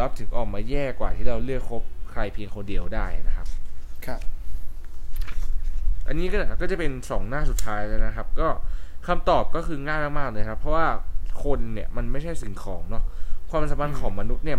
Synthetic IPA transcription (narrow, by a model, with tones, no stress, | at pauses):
la˦˥p̚t̪ʰɯ˩˦ŋʔɔː˨˩k̚maː˧jɛː˥˩kwaː˨˩t̪ʰiː˥˩ɾa˧wlɯ˥˩əkʰːo˦˥p̚kʰɾa˧jpʰiː˧əŋkʰo˧ndi˧əwdaː˥˩jna˦˥kʰa˦˥p̚ʰ | ʔa̰˧nːiː˦˥kɔ˥˩kɔː˥˩t͡ɕa˨˩pe˧nsɔː˩˦ŋnaː˥˩su˨˩t̪ʰaː˦˥jlɤː˦˧˥jna˦˥kʰa˦˥p̚kɔː˥˩kʰa˧mt̪ɔː˨˩p̚kɔː˥˩kʰɯː˧ŋaː˥˩jmaː˥˩k̚maː˥˩k̚lɤː˧jkʰa˦˥pʰːɾɔ˦˥waː˥˩kʰo˧nːi˥˩ɐma˧nma˥˩jt͡ɕʰa˥˩jsi˨˩˦ŋkʰɔː˩˦ŋnɔ˦˥k̚kʰwaː˧msaː˨˩˦mʰa˧nkʰɔː˩˦ŋma˧nu˦˥t̪̚ni˥˩ɐ